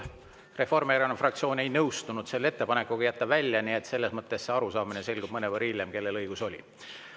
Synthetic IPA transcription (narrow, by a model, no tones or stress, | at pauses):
re̞fo̞rmeæɾenefrɑkt̪sio̞ːnʲejnɤwst̪unud̪̥se̞lːe̞t̪ːe̞pɑne̞kːˑuɡ̥ɑjæt̪ːɑvælʲjɑnie̞t̪se̞lːe̞smɤt̪ːe̞sːe̞ɑɾusɑːminese̞lɡ̥ub̥mɤnevɤɾilːemke̞lːe̞lɤjɡ̥uso̞lʲḭ